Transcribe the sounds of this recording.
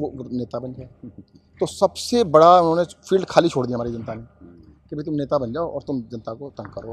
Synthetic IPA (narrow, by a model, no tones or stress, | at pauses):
oneːt̪abɐnd͡ʒaːe | t̪osɐbsebɐɽaʊnɦõːnefʰiːlɖkʰaːlit͡ʃʰoːɽd̪iaɦɐmaːɾid͡ʒɐnt̪anekebʱit̪̬ʊmneːt̪abɐ̃nd͡ʒaːoʔɔːɾt̪ʊmd͡ʒɐnt̪akot̪ə̃ŋɡkəɾo